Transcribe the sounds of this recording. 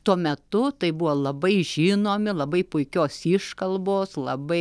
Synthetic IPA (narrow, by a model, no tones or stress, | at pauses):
t̪uɔmʲɛt̪ʊt̪ɐɪbʊʋoːlˠɐbɐɪʒʲiːnoːmʲɪlˠɐbɐɪpʊɪkʲoːsiʃkɐlˠboːslˠɐbɐɪ